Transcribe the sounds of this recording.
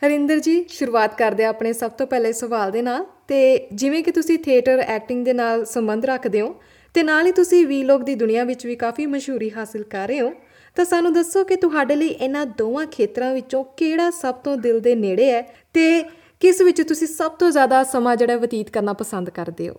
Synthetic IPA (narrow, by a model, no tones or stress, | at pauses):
həɾɪ̃nd̪əɾd͡ʒiːʃʊɾuːaːt̪kəɾd̪eaːpɳeːsəb̚t̪oːpɛːleːsəʋaːld̪eːnaːlt̪eːd͡ʒɪʋẽːkɪt̪ʊsĩːt̪ʰeːʈəɾɛːk̚ʈɪ̃ŋɡd̪eːnaːlsəmbənd̪ɾəkʰd̪eːõː | t̪eːnaːliːt̪ʊsĩːʋiːloːk̚d̪iːd̪ʊnɪjãːʋɪt͡ʃʋiːkaːfʰiːməʃɦuːɾiːɦaːsəlkəɾːeːõː | t̪ãːsaːnũːd̪əsːoːkɪt̪ʊɦaːɖeːləiːʔɪnãːd̪oːʋãːkʰeːt̪ɾãːʋɪt͡ʃõːkeːɽaːsəb̚t̪õːd̪ɪld̪eːneːɽeːɛː | t̪eː | kɪsʋɪt͡ʃt̪ʊsĩːsəb̚t̪õːzjaːd̪aːsəmãːd͡ʒeːɽaɛːʋət̪iːt̪kəɾnaːpəsə̃nd̪kəɾd̪eːo̰ː